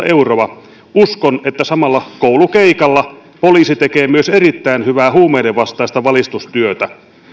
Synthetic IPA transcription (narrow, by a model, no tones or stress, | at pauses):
ʔe̞uroɑ | uskone̞t̪ːæsɑmɑlːɑkowlukeikɑlːɑ | po̞liːsit̪eke̞ːmyøseɾit̪ːæinhyʋæːɦuːmejdeʋɑst̪ɑjst̪ɑʋɑlist̪ust̪yøt̪æ